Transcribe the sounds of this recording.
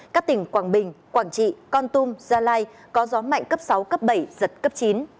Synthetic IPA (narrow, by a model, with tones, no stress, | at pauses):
kaː˦˥k̚t̪ï˧˩ŋ̟kwaː˧˩ŋɓï˨˩ŋ̟kwaː˧˩ŋt͡ɕḭ˧˨kɔ˧nt̪u˧mzaː˧laː˧j | kɔ˨˦zɔ˨˦ma̰˧˨jŋ̟kə˦˥p̚sa˨˦wkə˦˥p̚ɓə˧˩jzə˨˩t̚kə˦˥p̚t͡ɕi˨˦n